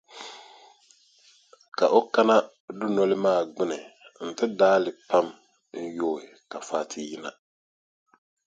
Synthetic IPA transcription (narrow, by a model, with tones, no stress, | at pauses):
ka˨ʔo˦ka˦na˦ | dʊ˦nɔ˦lɪ˦maː˦˨ɡ͡bɪ˦nɨ˨n̩˨tɪ˦daː˦lɪ˨pa˦m | n̩˦joː˦˨ɪ˨ka˨faː˦tʰɪ˦ji˦na̰˨